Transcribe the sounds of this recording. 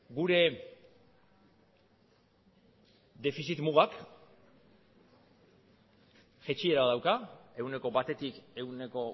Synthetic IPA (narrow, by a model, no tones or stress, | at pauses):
ɡuɾe̞ | d̪e̞fisit̪muɣak | ʝet͡ʃie̞ɾaðawkae̞une̞ko̞bat̪e̞t̪ike̞une̞ko̞